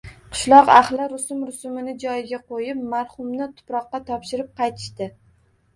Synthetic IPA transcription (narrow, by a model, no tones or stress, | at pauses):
qʰɨ̥ʃlˠɒqa̰χlɪɾʊsʊmɾʊsʊmɪnɪd͡ʒɒjɪɡʲaqʰojɪpmaɾχʊmnɪt̪ʰʊ̥pɾɒqːɑt̪ʰɒpʃɪɾɪp̚qʰɑjt̪ʰɪ̥ʃt̪ɪ